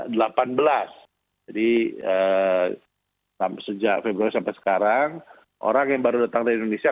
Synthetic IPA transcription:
dəlapanbəlas | d͡ʒadiə | samsəd͡ʒaʔfebɾuaɾisampasə̥kaɾaŋ | ʔo̰ɾaŋjaŋbaɾudat̪aŋdaindonesia

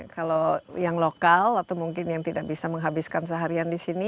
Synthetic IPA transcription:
kalojaŋlokalat̪awmuŋkɪnjaŋt̪idak̚bisaməŋɦabiskansəɦaɾiandisini

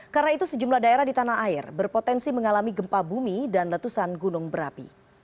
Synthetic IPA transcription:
kaɾənait̪usəd͡ʒumlahdaeɾahdit̪anaɦaɪrbərpot̪ɛnsiməŋalamiɡəmpabumidanlət̪usanɡunʊŋbəɾa̰pḭ

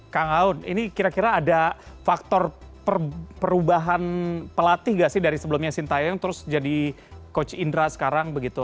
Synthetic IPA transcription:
kaŋaʊnḭnikiɾakiɾaːdafak̚t̪ɔrpərpəɾubaɦanpəlat̪ɪhɡaʔsɪhdaɾisəbəlʊmɲasint̪ajaŋt̪əɾʊsd͡ʒadi | kot͡ʃindɾasə̥kaɾaŋbəɡit̪u

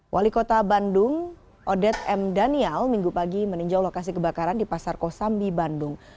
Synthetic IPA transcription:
wʔalikot̪abandʊŋ | ʔɔdɛt̪̚ɛmdaniɛlmiŋɡupaɡiməniɲd͡ʒawlokas̬ikəbakaɾandipasarkosambibandʊŋ

